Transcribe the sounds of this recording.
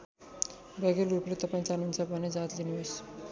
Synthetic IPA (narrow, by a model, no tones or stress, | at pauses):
bʌɡelɾuplet̪ʌpaĩt͡sanunt͡sʰʌbʱʌned͡zat̪linios